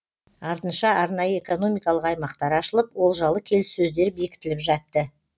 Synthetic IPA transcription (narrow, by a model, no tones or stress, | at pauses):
ɑɾt̪ənʃɑɑɾnɑjəeko̞no̞mijkɑlˠəqɑjmɑqt̪ɑɾɑʃəlˠəp̚wo̞lˠʒɑlˠəkʲʰe̞lɪsːɵzd̪e̞ɾbe̞kʲɪ̥t̪ɪlɪpʒɑt̪ːə